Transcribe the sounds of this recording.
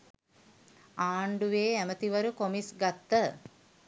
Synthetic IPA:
aːɳɖuʋeːæmət̪iʋəɾukomisɡat̪ːə

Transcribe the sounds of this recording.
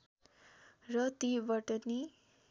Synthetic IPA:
rʌt̪ibʌʈʌni

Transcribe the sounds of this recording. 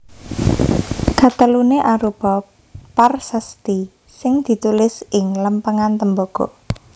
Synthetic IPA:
ɡ̥a̤t̪əluneʔaɾub̥ɔ | parsəst̪i | sɪŋd̪̥i̤t̪ulɪsɪŋləmpəŋant̪əmboɡ̥ɔ̰

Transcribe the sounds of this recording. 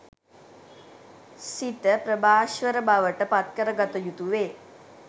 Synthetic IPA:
sit̪əpɾəbaːʃʋəɾəbaʋəʈəpat̪kəɾəɡat̪əjut̪uʋeː

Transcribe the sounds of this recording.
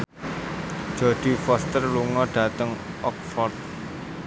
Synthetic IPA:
ʒ̥o̤d̪̥i̤fɔst̪ərluŋɔɖ̥ä̤t̪əŋ | ʔɔk̚fɔrt̪̚

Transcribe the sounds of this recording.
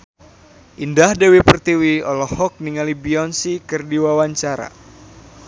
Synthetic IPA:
ʔindahdewipərt̪iwiɔlɔhɔk̚niŋalibiɔnsikərdiwawaɲt͡ʃaɾa̰

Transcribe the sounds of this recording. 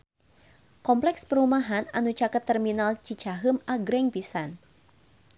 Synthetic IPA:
kɔmplɛkspəɾumaɦana̰nut͡ʃakət̪ːərminalt͡ʃit͡ʃaɦɨmaɡɾɛŋpisan

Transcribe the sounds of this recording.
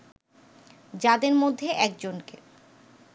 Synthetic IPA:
d͡ʑad̪eɾmod̪ʱːeʔɛk̚d͡ʑonke

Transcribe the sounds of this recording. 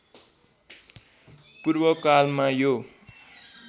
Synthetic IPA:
purbʌkalmajo

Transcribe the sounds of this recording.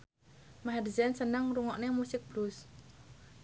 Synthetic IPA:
maɦadzɛnsənəŋruŋɔʔnemusɪk̚b̥lus

